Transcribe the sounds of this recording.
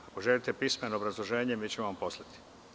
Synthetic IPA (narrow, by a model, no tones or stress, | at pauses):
akoʒelit̪epismenoːbɾazlˠoʒe̞ːɲemiːt͡ɕemoʋampo̞slˠat̪i̥